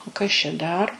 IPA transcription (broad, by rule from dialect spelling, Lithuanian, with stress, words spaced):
oː ˈkɐs t͡ʃʲɛ ˈdɐr